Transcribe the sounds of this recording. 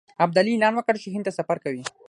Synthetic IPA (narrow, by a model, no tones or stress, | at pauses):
ab̚d̪aliːlɑnwəkəɽt͡ʃɪɦint̪asafaɾkawi